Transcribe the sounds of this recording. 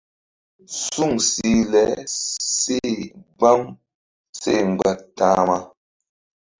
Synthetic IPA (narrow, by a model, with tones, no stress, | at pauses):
su˦˨ŋsi˨˦lɛ˨˦se˦˨ɡ͡ba˦m | se˦˨ŋ͡mɡ͡ba˨tːã˦ma˦